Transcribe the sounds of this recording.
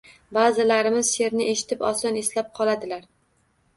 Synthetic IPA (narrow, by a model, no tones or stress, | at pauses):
bazɪlaɾɪmɪz̥se̞ɾnɪʔeʃɪ̥t̪ʰɪpɒsɒneslap̚qʰɒlˠad̪ɪlaɾ